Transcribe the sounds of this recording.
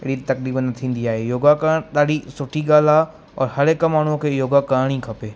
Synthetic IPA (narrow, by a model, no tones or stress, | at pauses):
ɪɽit̪ɐkliːbnɐt̪ʰĩːn̆d̪iaːɦejoːɡakãɗaːɗisʊʈʰiɠaːlaː | ɔ̰ːɾhɐɾekɐmːaːɳ̤ukʰeːjoːɡakaːɾɽ̃ĩkʰɐpeː